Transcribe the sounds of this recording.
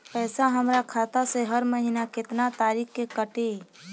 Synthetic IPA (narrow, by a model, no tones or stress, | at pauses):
pɛːsaɦəmɾakʰaːt̪aseɦəɾməɦinakɪt̪nat̪aːɾiːkkekəʈe